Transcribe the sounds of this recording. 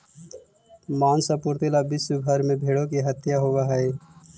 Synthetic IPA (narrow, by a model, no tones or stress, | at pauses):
maːnsapʊɾt̪ilabɪsubʱəɾmẽbʱeːɽõkiɦət̪jaɦoːɡaɦɛe